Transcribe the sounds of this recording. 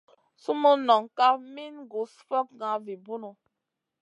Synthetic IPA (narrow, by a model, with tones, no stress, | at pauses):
su˦mu˦nɔ˨ŋka˦mi˦nɡu˨sfɔ˦k̚ɡã˨˦vi˨bu˦nu˨